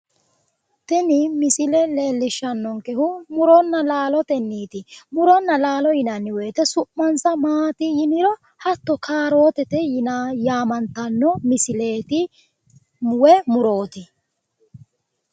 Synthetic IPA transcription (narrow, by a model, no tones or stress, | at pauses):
t̪ɛnɪmɪsɪlɛle̞ːlːɪʃːɐnːɔŋkɛhʊmʊɾɔnːɐlaːlɔt̪ɛnːiːt̪ɪmʊɾɔnːɐlaːlɔjɪnɐnːɪweːt̪ɛsʊʔmɐnsɐmaːt̪ɪjɪnɪɾɔ | hɐt̪ːɔkʰaːɾo̞ːt̪ɛt̪ɛjɪnjaːmɐnt̪ɐnːɔmɪsɪle̞ːt̪ɪ | mwɛmʊɾo̞ːt̪ɪ